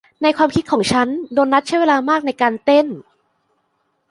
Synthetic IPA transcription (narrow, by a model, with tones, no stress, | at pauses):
na˧jkʰwaː˧mkʰi˦˥t̪̚kʰɔː˩˦ŋt͡ɕʰa˦˥ndoː˧nɾa˦˥t̪̚t͡ɕʰjweː˧laː˧maː˥˩k̚na˧jkaː˧nt̪e˥˩n